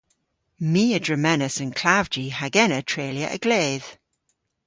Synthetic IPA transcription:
miːədɹəmɛnəsə̃nkʰl̥avd͡ʒihaɡɛnətʰɹ̥eːljə̰ʔə̰ɡ̥leːð̥

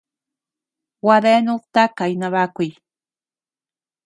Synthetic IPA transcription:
wad̪enoqt̪akajnaβakʊj

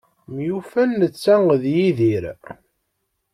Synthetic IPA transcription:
mjufænːət͡sːæŋðjiðiɾ

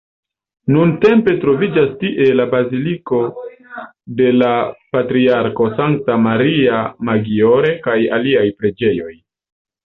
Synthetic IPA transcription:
nunte̞mpe̞tɾo̞vid͡ʒastiʔe̞labaziliko̞ | de̞lapatɾiaɾko̞saŋk̚tamaɾiamaɡio̞ɾe̞kajaliajpɾe̞d͡ʒe̞jo̞j

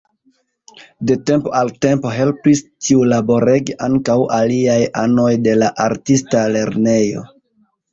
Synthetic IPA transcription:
de̞te̞mpoalte̞mpo̞ɦe̞lpistʰiulabo̞ɾeɡiʔaŋkawʔaliajano̞jde̞laʔaɾtistale̞ɾne̞jo̞̰

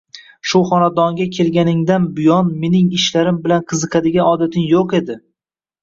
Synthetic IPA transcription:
ʃʊχɒnad̪ɒŋɡʲakʲʰe̞lɡʲanɪŋd̪anbʊjɒnme̞nɪŋɪʃlaɾɪmbɪlanqʰɨzɨqʰɑd̪ɪɡʲaɒd̪at̪ʰɪŋjoqe̞d̪ɪ

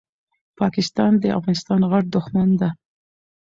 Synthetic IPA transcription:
pʰɑkɪst̪ɑnd̪əa̰fɣɑnɪst̪ɑnɣaʈ̚d̪ʊxmand̪a

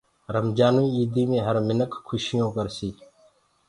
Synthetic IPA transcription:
ɾəmd͡ʒaːnĩːiːd̪iːmẽːɦəɾmɪnəkkʰːʊʃɪjõːkəɾsiː

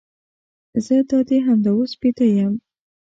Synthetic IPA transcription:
zəd̪ɑd̪eɦamd̪awospet̪əjam

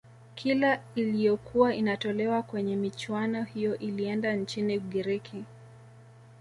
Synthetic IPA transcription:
kʰilailijɔkʰuwainatɔlɛwakwɛɲɛmit͡ʃwanɔhijɔʔiliɛndant͡ʃiniuɠiɾikʰi

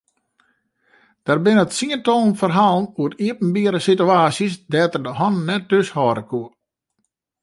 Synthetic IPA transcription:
d̥arbɪnətsiəntonfərɦalˠnuəriəpn̩biəɾəsityaːsjəsdɛːtərdəhɔnnːɛt̚døshɔːɾəkʰuə

